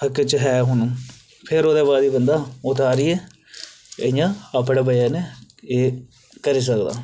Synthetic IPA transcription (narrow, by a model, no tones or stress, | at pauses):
əkːet͡ʃɦɛːɦʊn | pʰɪɾoːd̪aːbaːd̪iːbənd̪aːʊt̪aːɾiːɛː | ə̰jãːəpɽaːbəjaːneːeː | kəɾiːs̬əkd̪a̰ː